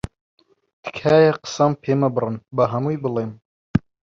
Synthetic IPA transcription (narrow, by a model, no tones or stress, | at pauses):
t̪ʰɨ̥kʰaːjɐqə̥sɐmpʰeːmɐbɨrɨnbɐɦɐmujbɨleːm